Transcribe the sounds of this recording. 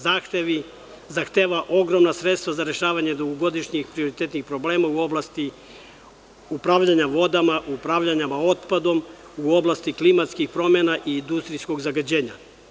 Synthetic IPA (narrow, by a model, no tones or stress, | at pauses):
zaːxt̪e̞ʋi | zaxt̪e̞ːʋaʔo̞ɡɾo̞mnasɾe̞t̪st̪ʋazaɾe̞ʃaːʋaɲed̪uɡoɡo̞d̪iʃɲixpɾio̞ɾit̪e̞t̪nixpɾo̞ble̞ːmauo̞blˠast̪i | upɾavʎaɲaʋo̞d̪amaʔupɾavʎaɲamao̞t̪pad̪o̞m | uo̞blast̪iklimat̪skixpɾo̞menaʔiːnd̪ust̪ɾijsko̞ɡzaɡad͡ʑe̞ːɲa